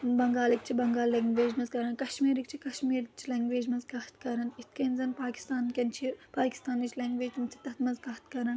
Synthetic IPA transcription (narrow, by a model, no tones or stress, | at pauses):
bɐŋɡaːlikt͡ʃʰibɐŋɡaːlɐŋɡʋeːd͡ʒmɐzkɐɾɐnkɐʃmiːɾik̚t͡ʃʰikɐʃmiːɾikt͡ʃʰilɐːŋɡʋeːd͡ʒmɐzɡɐht̪kɐɾɐnit̪kɐnzɐnpaːkʲi̥st̪aːnkʲɐnt͡ʃʰiːɾpaːki̥st̪aːnit͡ʃʰlɐːŋɡʋeːd͡ʒmt͡ʃʰi̥t̪ɐt̪mɐzɡɐɦt̪̚kɐɾɐn